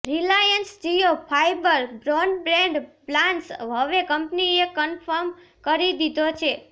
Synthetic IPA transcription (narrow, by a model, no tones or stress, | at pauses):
ɾilajənsd͡ʒijopʰajbəɾbɾoɳɖbɾẽɳɖplãnʈsɦəʋekəmpniekənfʰəɾm | kəɾid̪id̪ʱot͡ʃʰe